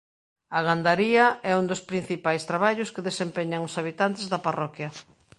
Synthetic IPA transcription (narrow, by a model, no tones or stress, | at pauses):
aɣand̪aɾiɐɛund̪ospɾin̟θipajst̪ɾaβaʎʊskeðesempeɲaŋʊsaβit̪ant̪ezðaparɔkjɐ